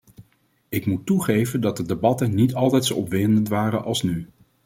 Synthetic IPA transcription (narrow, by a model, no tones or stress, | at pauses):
ɪkmutːuχejvəndɑt̚dədebɑtənnitɑlˠtɛjtsowɔpʋɪnəntʋaːrənʔɑlˠsny